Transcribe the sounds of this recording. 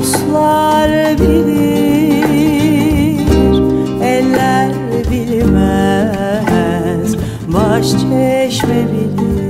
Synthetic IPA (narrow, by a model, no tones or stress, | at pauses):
slˠɑɾbilʲi | ɛlːæɾ | bilʲimæ | z̥ | bɑʃt͡ʃʰɛʃmɛbilʲi